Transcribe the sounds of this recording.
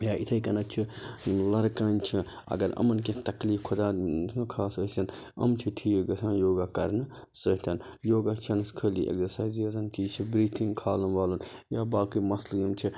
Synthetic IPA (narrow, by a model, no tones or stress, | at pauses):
jaːit̪ʰɐjkɐnɐt͡ʃʰilɐɾkaːnt͡ʃʰi | ɐ̰ɡɐɾɐ̰mɐnk̬et̪ɐkliːfkʰod̪aːnɐkʰaːsəsɐnɐ̰mt͡ʃʰiʈʰiːɡɐsʰãːnjoːɡakɐɾnɨ | səɦt̪ʰɐnjoːɡat͡ʃʰɐnskʰəːliʔḛksɐɾsaːjzjɐzɐnkit͡ʃʰibɾiːt̪ʰĩŋɡkʰaːlɐnʋaːlunjaːbaːkimɐsljɐmt͡ʃʰi